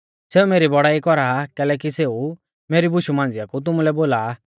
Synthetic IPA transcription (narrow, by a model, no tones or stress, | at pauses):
seːumeːɾibɔɽaːikɔɾakɛːlɛːk̬iseːu | meːɾibʊʃumãːnd͡zɪjakut̪̬ʊmulɛboːlaː